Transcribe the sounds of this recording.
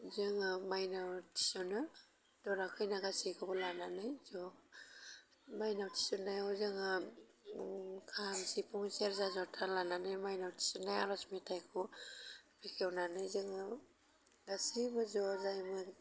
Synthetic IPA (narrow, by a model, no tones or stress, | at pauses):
zɯŋɯmajnawtʰi̥sɔnɯ | d̥ɔɾakʰɯjnaɡasikʰɯbɔlananɯjzɔ | majnawtʰi̥sɔnːajɔzɯŋɯ | kʰamsipʰuŋseɾzazɔtʰalananɯjmajnawtʰi̥sɔnːajaɾɔsmetʰajkʰu | pʰikʰewnanɯjzɯŋɯ | ɡasibɯzɔzajmɯ